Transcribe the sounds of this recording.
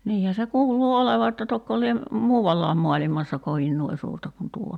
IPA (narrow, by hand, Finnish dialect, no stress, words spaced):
niːhæ se kuːluː oleʋɑ etːæ tokːo lie muːʋɑlːɑːm mo̝ɑlimɑsːɑ koʋin nuoi suːrtɑ kun tuo